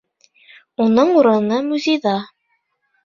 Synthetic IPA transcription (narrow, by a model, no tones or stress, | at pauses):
unɤɴuɾɤ̆nɤmʉzʲejðɑ